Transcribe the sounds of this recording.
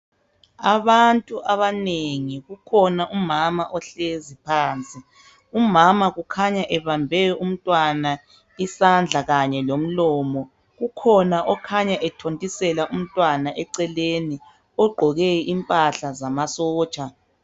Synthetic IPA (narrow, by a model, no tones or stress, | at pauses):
aβantʼuʔaβaneŋiɣukʰɔnaʔumamaʔɔɬezipʰaːnt͡sʼi | umamaɣukʰaɲaʔɛβambʱɛum̩tʼwana | isand͡ɮʱaɣaɲɛlom̩lɔːmɔ | ɣukʰɔnaʔɔkʰaɲaʔɛtʰontʼisɛlaʔum̩tʼwanaʔɛǀɛleni | ɔɡ͡ǃʱɔɣɛimpʼaɬazamasɔːt͡ʃʼa